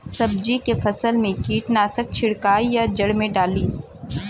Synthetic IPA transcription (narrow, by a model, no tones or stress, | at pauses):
sɐbd͡ʒikefɐsəlmẽkiːʈnaːsək̚t͡ʃʰɪɽkaːijad͡ʒɐɽmẽɖaːliː